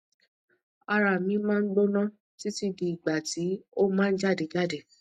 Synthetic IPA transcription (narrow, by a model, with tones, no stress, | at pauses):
a˧ɾa˨mĩ˨˦mãː˦˧n̩˦ɡ͡bo˦nã˦ | ti˦ti˧di˨i˨ɡ͡ba˨ti˨˦o˦mãː˦n̩˦d͡ʒa˦˨de˨d͡ʒa˦˨de˦˨